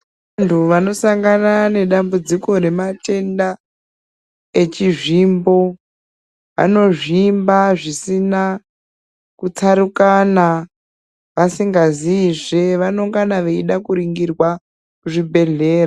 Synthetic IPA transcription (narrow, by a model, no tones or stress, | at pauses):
ntʰuʋano̞saŋɡanane̞ɗambud͡ziko̞ɾe̞mate̞nda | e̞t͡ʃiʐimbo̞ | ʋa̰no̞ʐiːmbaʐisina | kut͡saɾukana | ʋasiŋɡaziʐeʋanoŋɡanaʋeiɗakuɾiŋɡirwa | kuʐibʱe̞ɮe̞ːra